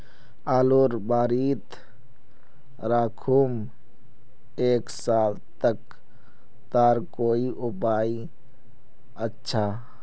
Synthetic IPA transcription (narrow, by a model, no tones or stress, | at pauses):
aːloːɾbaːɾiːt̪ | ɾaːkʰum | eːksaːl | t̪ək | t̪aːɾkoːiʔʊpaːi | ətːʃʰa